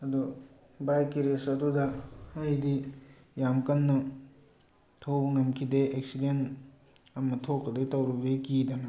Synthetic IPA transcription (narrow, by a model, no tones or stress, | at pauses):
ɐd̪u | bajkiɾesɐdudɐɐjdi | jamkɐnːɐ | tʰowbɐŋɐmkʰideek̚siden | ɐmɐtʰokːɐdetɐwɾuɡekid̪ɐnɐ